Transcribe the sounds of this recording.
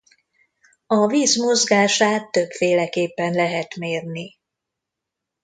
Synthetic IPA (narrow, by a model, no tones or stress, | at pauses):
ɒviːzmozɡaːʃaːt̪ːø̞bfeːlɛkeːpːɛnlɛɦɛt̪meːrni